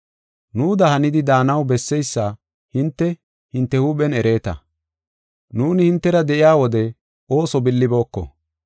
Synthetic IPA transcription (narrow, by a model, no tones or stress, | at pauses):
nuːd̪ɐhɐnɪd̪ɪd̪aːnɐwbɛsːɛjsːɐ | hɪnt̪ːɛ | hɪnt̪ːɛhuːɓɛnɛɾʔe̞ːt̪ɐ̰ | nuːnɪhɪnt̪ːɛɾɐd̪ɛʔɪjaːwɔd̪ɛ | o̞ːsɔbɪlːɪbo̞ːkːɔ̰